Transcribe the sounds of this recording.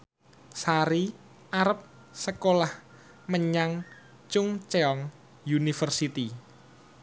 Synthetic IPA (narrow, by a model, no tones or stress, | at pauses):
saɾi | aɾəp̚ | səkolah | məɲaŋ | t͡ʃʊŋt͡ʃeɔŋ | junifərsit̪i